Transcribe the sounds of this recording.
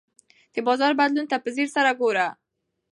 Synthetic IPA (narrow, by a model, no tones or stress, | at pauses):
t̪əbɔzɑɾbad̪lunt̪apəzeɾsaɾaɡoɾa